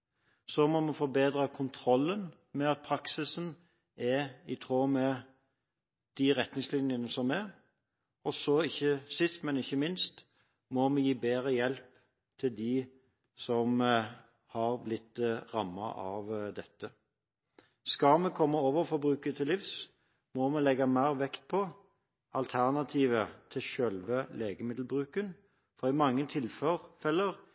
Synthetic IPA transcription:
sɔmɔmɛfɔɾbeːd̪ɾəkʰʊnt̪ʰɾɔlːən | mɛɑt̪̚pʰɾɑksɪsn | ɛɪt̪ʰʁoːmɛ | d̪̥ɪʁɛt̪nɪŋslɪnjənəsɔmɛ | ɔsɔɪçːəsɪst̪mɛnɪçːəmɪnst̪ | mɔmɛjiːbeːɾəjɛlp | t̪ʰɪld̪ɪː | sɔm | hɑʁblɪt̪ʁɑmːɑ̰ʔɑ̰ʋd̪ɛt̪ːə | skɑmɛkʰɔmːəoːʋəfɔɾbʁʉːkət̪ʰɪlifs | mɔmɛlɛɡːɑmæɪʁʋɛkt̪̚pʰɔ | ɑlt̪ʰæʁnɑt̪ʰiːʋət̪ʰɪlʃœlʋəleːɡəmɪd̪l̩bʁʉːkən | fɔʁɪmɑŋːət̪ʰɪlfəʁfɛlːəʁ

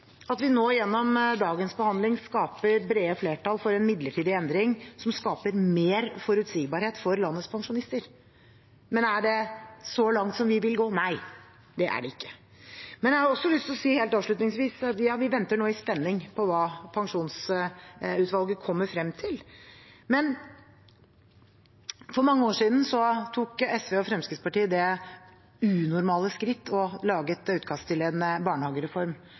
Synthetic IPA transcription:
ɑt̪ʋɪnoːjɛnːɔmd̪ɑːɡənsbəhɑnd̪lɪŋskɑːpəɾbɾeːəfleːʈɑlfɔɾɛnmɪd̪ləʈʰiːd̪ɪɛnd̪ɾɪŋsɔmskɑːpəɾmeːɾfɔɾʉt̪siːɡbɑːɾheːt̪fɔɾlɑnːət̪spʰɑŋʂʊnɪst̪əɾ | mɛnæɖɛsɔlɑŋt̪sɔmʋɪʋɪlɡoːnæɪ | d̪ɛʔæ̰ɖɛɪkːə̥ | mɛnjæɑɾɔsːɔlʏst̪lɔsiːheːlt̪ɑːʋʂɭʉt̪nɪŋsʋiːsɑt̪jɑːʋɪʋɛnt̪əɳoːɪspɛnːɪŋpʰɔʋɑːpʰɑŋʂuːns | ʉːt̪ʋɑlˠɡəkʰɔmːəɾfɾɛmːt̪ʰɪlmɛn | fɔɾmɑŋːəoːʂiːd̪n̩sɔt̪ʰuːkɛsʋeːɔfɾɛmskɾɪt̪spɑʈiːəd̪ɛ | ʉːnʊɾmɑːləskɾɪt̪ːɔlɑːɡət̪ʉːt̪kʰɑst̪ʰɪlɛd̪nbɑːɳəhɑːɡəɾɛfɔɾm

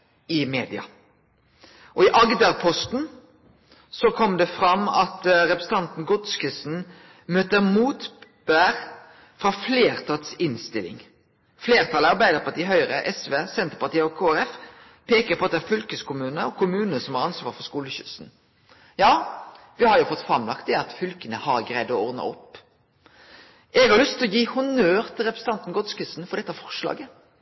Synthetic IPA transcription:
ɪmeːd̪ɪɑ̰ | ʔɔɪʔɑɡd̪əɾpʰɔst̪n | sɔkʰɔmd̪ɛfɾɑmːɑ̰t̪ɾɛpɾəsn̩t̪ɑnt̪n̩ɡɔd̪skɪsn̩ | møːt̪əmuːt̪b̥æːʁ | fɾɑfleːʁt̪ʰɑt̪sɪnst̪ɪlɪ̰ŋ | fleːʁt̪ʰɑləɑɾbæɪd̪əʁpʰɑt̪iːɦœʏɾəʔɛsʋeːsɛnt̪əɾpɑʁt̪iːəɔkʰoːæɾɛf | pʰeːkəɾpʰɔɑt̪d̪ɛæːɾfʏlkəskʊmʉːnəɔkʰʊmʉːnəsɔmɑʁɑnsʋɑːɾfɔʁskuːləɕʏ̰sn̩ | jɑː | ʋɪhɑɾjʊfɔt̪ːfɾɑmlɑkt̪̚d̪ɛɑt̪fʏlkənəhɑɾɡɾʁæɪd̪ɔɔɾd̪nə̰ɔ̰pː | ʔɛɡəhɑɾlʏst̪ʰːɪlɔjiːhʊnøːʁt̪ʰɪlʁɛpɾəsn̩t̪ɑnt̪n̩ɡɔt̪skɪsn̩fɔʁd̪ɛt̪ːɑfɔʁʂlɑ̰ːɡə

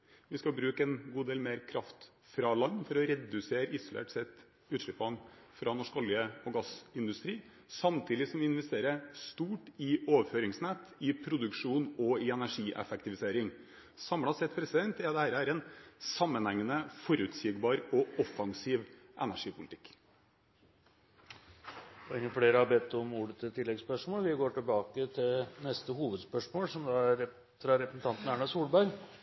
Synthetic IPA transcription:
ʋɪskɑbɾʉːkəɛnɡuːd̪eːlmeːɾkʰɾɑft̪ | fɾɑlɑnːfɔɾɔɾɛd̪ʉseːɾɪsʊlḛːʈsɛt̪ː | ʉːʂɪpːɑnfɾɑnɔʂkɔljəɔɡɑsɪnd̪ʉst̪ɾiː | sɑmt̪ʰiːd̪ɪsɔmʋɪɪnʋɛst̪eːɾəst̪uːʈɪoːʋəføːɾɪŋsnɛt̪ɪpʰɾʊd̪ʉkʂuːnɔɪɛnæʂiːʔɛ̰fɛk̚t̪ɪʋɪseːɾɪŋ | sɑmɽɑsɛt̪pʰɾɛsɪd̪ɛnt̪ɛd̪ɛhæːɾəhæːɾɛnsɑmːənhɛŋːənəfɔɾʉːt̪sɪɡbɑːɾɔɔfɑŋsiːʋʔɛnæʂiːpʊlɪt̪ʰɪ̥k | pʰɔɛŋːəfɽeːɾəhɑbɛt̪ːɔmuːɖət̪ət̪ʰɪlːɛɡspœʂmoːlʋɪɡoːʈɪlbɑːkət̪ʰɪlnɛst̪əhuːʋəd̪spœʂmoːlsɔmd̪ɑæɾ | ɾɑɾɛpɾəsn̩t̪ɑnt̪n̩æːɳɑsuːlbæɾɡ

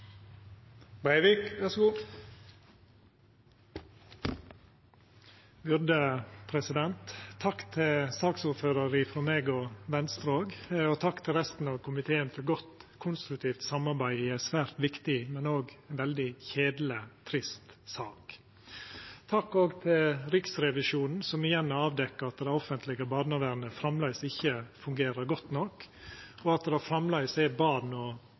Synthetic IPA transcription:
bæɪʋikʋæsɡuː | bʏɾd̪əpʰɾɛsɪd̪ɛnt̪ʰːɑkt̪ʰɪlsɑːksuɾføːɾəɾɪfɾɔmeːɡɔʋɛnst̪ɾoːɡoːt̪ʰɑkːt̪ʰɪlɾɛst̪n̩ɑʋkʰʊmɪt̪ʰeːənfɔɾɡɔt̪kʰʊnst̪ɾʉkt̪ʰiːft̪sɑmɑɾbæɪiːæɪsʋæːɾt̪ʋɪkt̪ɪmɛnoːɡɛnʋɛld̪ɪçeːd̪lət̪ʰɾɪst̪sɑːk | t̪ʰɑkːoːɡt̪ʰɪlɾɪksɾɛʋɪʂuːnn̩sɔmɪjɛnːɔɑːʋd̪ɛkːəɾɑt̪d̪æɪɔfənt̪lɪɡəbɑːd̪nɑʋæɾnəfɾɑmlæɪsɪçːəfʉŋɡeːɾəɾɡɔt̪nɔkɔɑt̪̚d̪ɛhæfɾɑmlɑɪsɛbɑːd̪nɔ

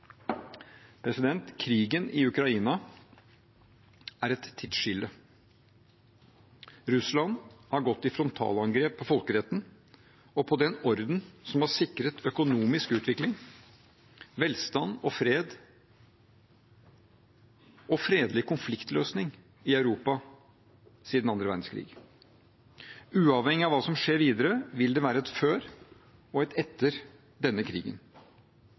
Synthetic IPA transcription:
pʰɾɛsɪd̪ɛnt̪kʰɾiːɡənɪʉkɾɑiːnɑ | æɾɛt̪ʰːɪt̪ʂʏlːə | ɾʉslɑnhɑɾɡɔt̪ːɪfɾɔnt̪ʰɑ̰ːlɑŋɡɾeːpʰːɔfɔlkəɾɛt̪ːn̩ | ɔpʰɔd̪ɛnɔɾd̪n̩sɔmhɑʂɪkɾət̪ʰœkʊnuːmɪskʉːt̪ʰʋɪklɪŋ | ʋɛlst̪ɑnːɔfɾeːd̪ | ɔfɾeːd̪lɪkʊnflɪkt̪løːsnɪŋ | ɪɑʉɾuːpɑ | siːd̪n̩ɑnd̪ɾəʋæ̰ɾɖ̪n̩skʰɾḭːɡ | ʉːɑʋhɛŋːɪɑʋɑːsɔmʂeːɾʋiːd̪əɾəʋɪld̪ɛʋæːɾəɛt̪føːɾ | ɔɛt̪ɛt̪ːəɾ | d̪ɛnːəkʰɾḭːɡə̰n

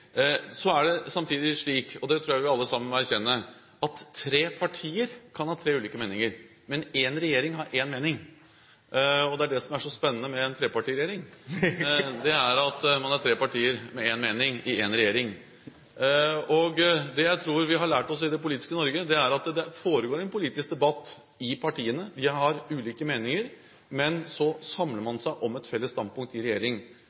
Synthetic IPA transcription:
sɔæɖɛsɑmt̪ʰiːd̪ɪʂɭiːkɔd̪ɛt̪ʰɾuːjæʋɪɑlːəsɑmːənɔæɾçɛnːə | ɑt̪ʰːɾeːpʰɑʈʰiːəɾkʰɑnhɑːt̪ʰɾeːʉliːkəmeːnɪŋəɾ | mɛneːnɾɛjeːɾɪŋɦɑːɾʔeːnmeːnɪŋ | ɔd̪ɛæɖɛsɔmæʂɔspɛnːənəmɛːnt̪ʰɾeːpɑʈiːɾɛeːɾɪŋ | d̪ɛæɾɑt̪mɑnæɾʈ̪ʰɾeːpɑʈʰiːəɾmɛeːnmeːnɪŋɪenɾɛjeːɾɪŋ | ɔɡd̪ɛjæɪt̪ʰɾuːɾʋɪɦɑɭæːʈɔsɪd̪ɛpʊliːt̪ɪ̥skənɔɾɡəd̪ɛæɾɑt̪d̪ɛfoːɾəɡoːɾɛnpʊliːt̪ɪsk̚d̪ɛbɑt̪ː | ɪpʰɑʈʰiːənəd̪ɪɦɑɾʉːliːkəmeːnɪŋəɾ | mɛnsɔsɑmləmɑnsæɪʔɔmɛt̪fɛlːəst̪ɑnd̪̚pʊŋkt̪ɪɾɛjeːɾɪŋ

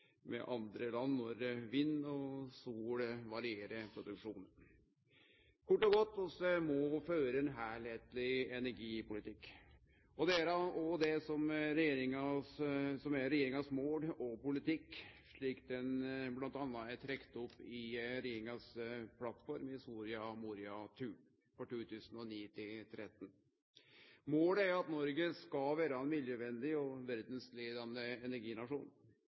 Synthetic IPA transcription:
mɛ̰ʔɑnd̪ɾəlɑnːɔɾʋinːɔsuːlʋɑɾɪeːɾəpʰɾʊd̪ʉkʂuːnən | kʰʊʈːɔɡɔt̪ːɔsɛmɔføːɾəɛnɦæːɭheːt̪lɪɛnæɾɡiːpʊlɪt̪ʰɪkː | ɔd̪ɛæɾɑɔd̪ɛsɔmɾɛjeːɾɪŋɑssɔmæɾɛjeːɾɪŋɑsmoːɽɔpʊlɪt̪ɪkːʂɭiːkd̪ɛnblɑnt̪ɑnːɑæʈ̪ʰɾɛkt̪ɔpːɪɾɛjeːɾɪŋɑspʰlɑt̪ːfɔɾmhɪst̪uːɾɪɑmuːɾɪɑt̪ʰʉː | fɔʈuːt̪ʰʉːsənɔniːt̪ʰɪlt̪ʰɾɛt̪ːn | moːləæɾʊɑt̪nɔɾɡəskɑʋæːɾɑɛnmiljəʋɛnd̪ɪɔʋæɾd̪n̩sleːd̪ɑnəɛnæɾɡiːnɑʂuːn

